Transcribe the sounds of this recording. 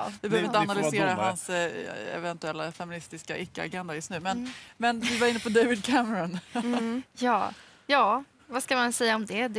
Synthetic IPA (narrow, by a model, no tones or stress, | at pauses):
d̪ɪbɛɛøvɾɪəanalʏseːɾaɦansɛ̰vɛnt̪ɵɛlːafɛmɪnɪst̪ɪskaʔɪkːəa̰ɡɛnd̪ajɵst̪nʉ̟ːmɛnmɛnd̪ɵvaɾɪnːəpʰɔd̪ejvɪd̪̚kʰæmɛɾɔn | jɑː | jɑː | vaskamansɛjːaɔmd̪ɛd̪